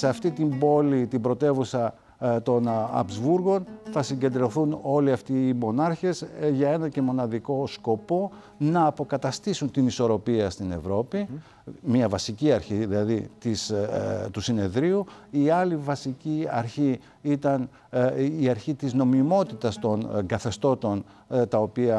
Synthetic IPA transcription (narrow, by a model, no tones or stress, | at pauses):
seɐft̪it̪imbo̞lit̪ibɾo̞t̪e̞vusɐ | t̪o̞nɐ̰pzvuɾɣo̞nθɐsiɲɟe̞nd̪ɾoθuno̞liɐft̪iːmo̞nɐɾçe̞zʝɐe̞nɐce̞mo̞nɐðiko̞sko̞po̞ | nɐːpo̞kɐt̪ɐst̪isunt̪iniso̞ɾo̞piɐst̪ine̞̰vɾo̞pi | mɲɐvɐsiciɐɾçiðilɐðit̪ist̪usine̞ðɾiuiɐlivɐsiciɐ̰ɾçi | it̪ɐn | iɐɾçit̪izno̞mimo̞t̪it̪ɐst̪o̞nɡɐθe̞st̪o̞t̪o̞n | t̪ɐo̞piɐ